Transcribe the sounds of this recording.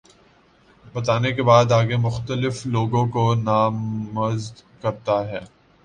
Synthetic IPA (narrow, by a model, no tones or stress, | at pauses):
bɐt̪aːnekebaːd̪aːɡemʊxt̪əlɪfloːɡõkonaːmɐzd̪kɐɾt̪aɦɛː